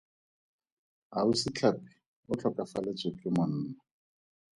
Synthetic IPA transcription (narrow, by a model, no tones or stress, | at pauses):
ɦausɪt͡ɬʰapɪ̥ | ʊt͡ɬʰɔkʼafalet͡sʼɪkʼɪmʊn̩ːnnɔ